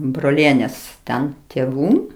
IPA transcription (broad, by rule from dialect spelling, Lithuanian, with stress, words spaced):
broːˈlʲiɛnʲeːs ˈtʲɛn tʲeːˈʋuː